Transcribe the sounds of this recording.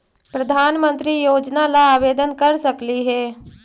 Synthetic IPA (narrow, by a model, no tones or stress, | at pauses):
pɾəd̪ʱaːnmə̃nt̪ɾijoːd͡ʒnalaːʋeːd̪ənkəɾsəkliɦɛː